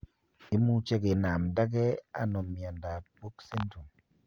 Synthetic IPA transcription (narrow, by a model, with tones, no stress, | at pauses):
i˦mu˦t͡ʃe˦ɡɪ˨na˨mda˦ɡɛ˦a̰˨no˨mi˨a˨nda˨t̚po˦kse˦ntu˨ŋ